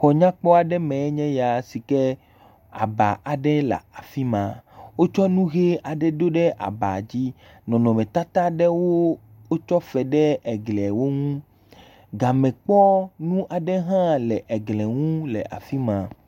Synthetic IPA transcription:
xɔ˨ɲã˦k͡pɔ˦a˨ɖɛ˦mɛ̃˨˦ɲɛ̃˦ja˨si˨kɛ˦ | a̰˨ba˨ʔa˨ɖɛ˦la̰˨a˨fi˦mã˨wo˦t͡ʃɔ˦nũ˦ɣe˦a˨ɖɛ˦d̪o˦ɖɛ˦ʔa̰˨ba˨d͡ʑi˦ | nɔ̃˨nɔ̃˨mɛ̃˨t̪a˦t̪a˦ɖɛ˦wo˦ | wo˦t͡ʃɔ˦fɛ˨ɖɛ˦ɛ˨ɡlɛ˨wo˦ŋũ˦ | ɡa˨mɛ̃˨k͡pɔ˦nũ˦ʔa˨ɖɛ˦ɦã˦lɛ˨ʔɛ˨ɡlɛ˨ŋũ˦lɛ̰˨ʔa̰˨fi˦mã˨

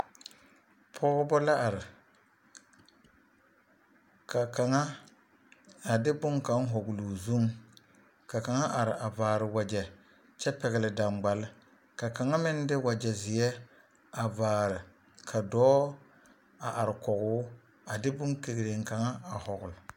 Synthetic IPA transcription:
pʰɔ˦ɣʊ˦bɔ˦la˦ʔa˨ɾɪ˨ | ka˨ka˨ŋa˦ | a˨dɪ˦bʊ˦ŋka˨˦ŋ˦ɦɔ˨ɡʊ˨lu˨zu˦ŋ | ka˨ka˨ŋa˦ʔa˨ɾɪ˨a˨vaː˨ɾɪ˨wa˨d͡ʒɛ˨ | t͡ʃɛ˦pɛ˨ɣɪ˨lɪ˨da˨ŋ͡mɡ͡ba˨lɪ˦ | ka˨ka˨ŋa˦mɪ˦n˦dɪ˦wa˨d͡ʒɛ˨zɪ˨jɛ˦ | a˨vaː˨ɾɪ˨ | kʰa˨dɔː˦ | a˨ʔa˨ɾɪ˨kɔ˨ɣʊ˦ | a˨dɪ˦bʊ˦ŋke˨ɡɾe˨ŋka˨ŋa˦a˨hɔ˨ɣʊ˨l

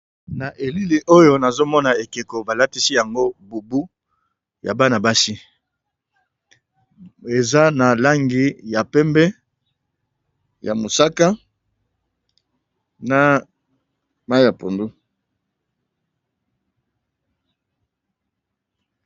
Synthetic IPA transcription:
na˨ʔe˨li˦li˨ʔo˦jo˦na˨zo˦mɔ˦na˨e˨ke˨ko˨ba˨la˦ti˦si˦ja˨ŋɡo˦bu˨bu˦ | ja̰˨ba˦na˨ba˦si˦ | e˨za˦na˨la˦ŋɡi˨ja˨pɛ˦mbɛ˦ | ja̰˨mo˨sa˦ka˦ | na˨ | ma˦ja˨po˨ndu˦

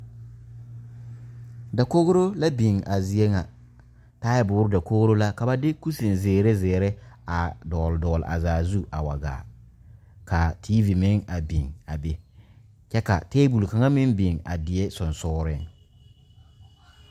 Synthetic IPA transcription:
da˨ko˦ɣɾo˦la˦bi˨ŋʔa˨zi˨e˦ŋa˨ | taː˦jbʊ˨˦ɾɪ˦da˨ko˦ɣɾo˦la˦ka˨ba˦dɪ˦ku˦si˨nzɪː˨ɾe˦zeː˨ɾe˦a˨dɔː˨ldɔː˨l̰ʔa̰˨zaː˨zu˦ʔa˨wa˨ɡa̰ː˨ | ka˨tʰiː˦vi˨mɪ˦ŋa˨bi˨ŋa˨be˦ | t͡ʃɛ˦ka̰˨teː˦bu˨lka˨ŋa˦mɪ˦nbi˨ŋa̰˨dɪ˨ɛ˦sʊ˨nsɔ˦ɾɪ˦ŋ

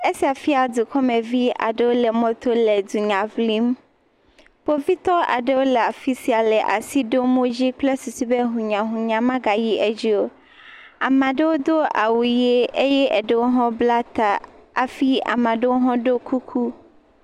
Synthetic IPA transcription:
e˦si˨a˨fi˦a˨d̪u˨kɔ˦mẽ˨vi˦a̰˨ɖe˦wo˦le˨mɔ̃˦t̪o˦le˨d̪u˨ɲã˨vli˦m | po˦vi˦t̪ɔ˦a̰˨ɖe˦wo˦le˨a˨fi˦si˨a˨lɛ˨ʔa̰˨si˦ɖo˦m˦o˦d͡ʑi˦k͡ple˦su˨si˦be˦ɦũ˨ɲã˨ɦũ˨ɲã˨mã˦ɡa˨ji˦ʔe˦d͡ʑi˦wo˦ | a˨mã˨ɖe˦wo˦d̪o˦a̰˨wu˨je˦e˦jɛ˦ʔɛ˨ɖe˦wo˦ɦɔ̃˦bla˦t̪a˨a˨fi˦a̰˨mã˨ɖe˦wo˦ɦɔ̃˦ɖo˦kʰu˦kʰu˦

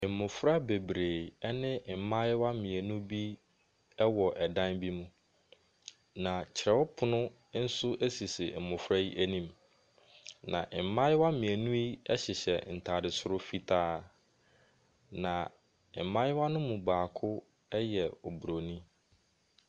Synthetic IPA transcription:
m̩˨mʊ̃˨fɾa˦be˨bɾeː˨ɛ˦nɪ̃˦˨m̩˨mã˦jɪ˦wa˦mĩ˨æ˨nũ˦bi˦ | ɛ˦wɔ˨ʔɛ˨dã˦nbi˦mũ˦ | nã˨t͡ɕʰɪ˨ɾɛ˦wɔ˦pʰʊ˦nʊ̃˦ | n̩˦sʊ˦ʔe˦si˨sɪ˨m̩˨mʊ̃˨fɾa˦i˦ʔæ˦nĩ˨m | nã̰˨ʔm̩˨mã˦ɪ˦wa˦mĩ˨æ˨nũ˦i˦ɛ˦ɕɪ˨ɕɛ˨n̩˨tʰaː˨dɪ˨sʊ˦ɾʊ˦fi˦tʰaː˦ | nã˨ | m̩˨˦mã˦ɪ˦wa˦nʊ̃˦mũ˨baː˨kʰʊ˦ | ɛ˦jɛ˨o˨bu˨ɾo˨nĩ˦

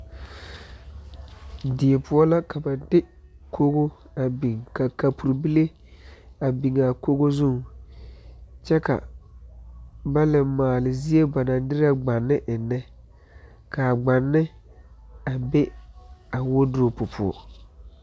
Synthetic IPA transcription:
dɪ˨e˨pʰʊ˦ɔ˦la˦kʰa˨ba˨dɪ˦kʰo˦ɣo˦ | a˨bi˨ŋka˨ka˨pu˨ɾu˨bi˦le˦ | a˨bi˨ŋa˨ko˦ɣo˦zu˦˨ŋ | t͡ʃɛ˦ka̰˨ | ba˦lɪ˨maː˨lɪ˨zi˦e˦ba˨na˨˦dɪ˦ɾa˦ɡ͡ba˨nːɪ˦ʔɪ˨nːɛ˦ | ka˨ɡ͡ba˨nːɪ˦ | a˨be˦a˨wo˦dʊ˦ɾo˨pʊ˨pʰʊ˨ɔ̰˨

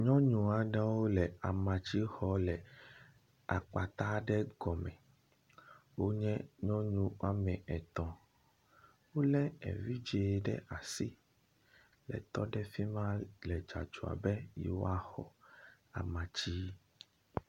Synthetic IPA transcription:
ɲɔ̃˦ɲũ˨a˨ɖã˦wo˦lɛ˨a˨mã˨t͡ɕi˦xɔ˦lɛ˨ | a˨k͡pa˨t̪a˦ɖɛ˦ɡɔ˨mɛ̃˨ | wo˦ɲɛ̃˦ɲɔ̃˦ɲũ˦a˦mɛ̃˨ʔɛ˨t̪ɔ̃˨ | wo˦lɛ˦ɛ̰˨vi˦d͡ʒe˨ɖɛ̰˦a˨si˦ | lɛ̰˨t̪ɔ˦ɖɛ˦fi˦mã˦lɛ˨d͡ʒa̰˨d͡ʒu˨a̰˨bɛ˦jḭ˨wo̰˦a˦xɔ̰˨ | a̰˨mã˨t͡ɕi˦

